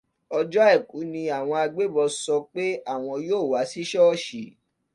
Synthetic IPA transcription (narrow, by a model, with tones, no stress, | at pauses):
ɔ˧d͡ʒɔ˦ɛ˦˨ku˨˦nĩ˧a˨w̃ɔ̃˧a˧ɡ͡be˦˨bɔ˧sɔ˧k͡pe˦a˦˨w̃ɔ̃˧joː˦˨wa˨˦si˦ʃɔ˦ɔ˦ʃi˨